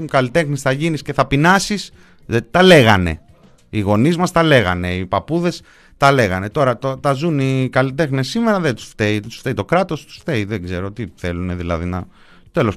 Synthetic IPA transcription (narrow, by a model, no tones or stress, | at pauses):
ukɐlit̪e̞xnisθɐʝinisce̞θɐpinɐsis | t̪ɐle̞ɣɐ̰ne̞̰ | iɣo̞nizmɐst̪ɐle̞ɣɐ̰ne̞ipɐpuðe̞s | t̪ɐle̞ɣɐne̞t̪o̞ɾɐt̪ot̪ɐzunikɐlit̪̬e̞xne̞sːime̞ɾɐðet̪u̥sft̪eit̪u̥sft̪eit̪o̞kɾɐt̪o̞st̪u̥sft̪eiðeɡze̞ɾo̞t̪iθe̞lune̞ðilɐ̰ðinɐ̰ | t̪e̞lo̞s